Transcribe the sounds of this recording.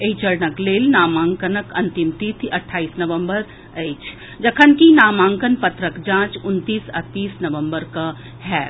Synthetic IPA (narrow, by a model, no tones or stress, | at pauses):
eit͡ʃəɾnəkleːlnaːmãːŋkənəkɐ̃nt̪imt̪it̪ʰɐʈʰːaːiːsnɐʋəmbəɾ | əːt͡ʃʰ | d͡ʒɐkʰənkinaːmãːŋkənpɐt̪ɾəkd͡ʒãːt͡ʃʊnt̪iːsɐ̰t̪ːiːsnɐʋə̃mbəɾkɐ | ɦɛː